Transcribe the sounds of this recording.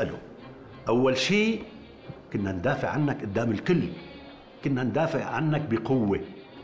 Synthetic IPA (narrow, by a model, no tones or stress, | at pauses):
ʔalṵ | ʔawːalʃiː | kʊnːand̪aːfɪʕʕanːakʔʊd̪ːaːmɪlkʊlː | kʊnːand̪aːfɪʕʕa̰nːak̚bɪqʊwːe